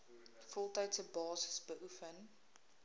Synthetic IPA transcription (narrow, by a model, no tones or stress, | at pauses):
fɔlˠtaɥtəbɑːzəsbəʔufən